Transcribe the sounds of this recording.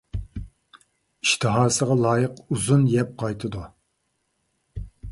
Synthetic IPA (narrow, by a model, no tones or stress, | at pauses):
iʃt̪ʰɨɦɑːsəʁɑlˠɑːjəquzunjɛp̚qʰɑjt̪ʰɨd̪u